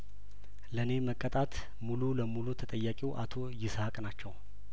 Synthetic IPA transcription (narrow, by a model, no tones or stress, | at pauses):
ləne̞məkʼːət̪ʼat̪ | mululəmulut̪ʰət̪ʼəjːakʼiwʔa̰t̪ʰo̞jɪsakʼnat͡ʃːɛw